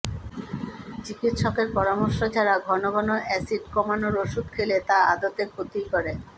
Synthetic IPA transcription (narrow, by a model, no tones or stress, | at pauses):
t͡ɕikit̪ʃɔkeɾpɔɾamoɾʃod͡ʑaɾaɡʱɔnoɡɔnoʔɛsiɖkɔmanoɾoʃud̪̚kʰelet̪aad̪ot̪ekʰot̪ikɔɾe